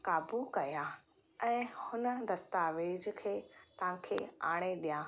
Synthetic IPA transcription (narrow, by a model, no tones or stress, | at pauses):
kaːbukɐja | ɛ̃ːhʊnəd̪ɐst̪aːʋeːd͡ʑkʰeːt̪ɐãkʰeːa̰ːɽ̃eɗijãː